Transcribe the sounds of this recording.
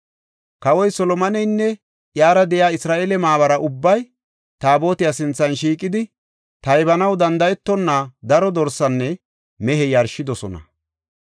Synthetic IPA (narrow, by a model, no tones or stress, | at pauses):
kɐwɔjsɔlɔmɐnɛjnːɛ | ʔjaːɾɐd̪ɛjaːɪsɾaːʔeːlɛmaːβɐɾɐʔʊbːɐj | t̪aːbo̞ːt̪ɪjasɪnt͡sːɐnʃiːkʼɪd̪ɪ | t̪ɐjbɐnɐwd̪ɐnd̪ɐjɛt̪ːɔnːad̪ɐɾɔd̪ɔɾsɐnːɛ | mɛɦɛjɐɾʃɪd̪ɔsɔnɐ̰